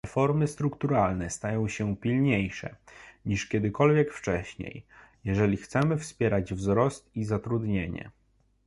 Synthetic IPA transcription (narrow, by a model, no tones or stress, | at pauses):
ɛfɔɾmɘst̪ɾukt̪uɾalnɛst̪ajɔ̃w̃ɕɛpʲilɲejʂɛ̰ɲiʂkʲɛd̪ɘkɔlvʲjɛkft͡ʂɛɕɲḛjjɛʐɛlʲixt̪sɛmɘfspʲjɛɾad͡ʑvzɾɔst̪izat̪ɾud̪ɲeɲɛ̰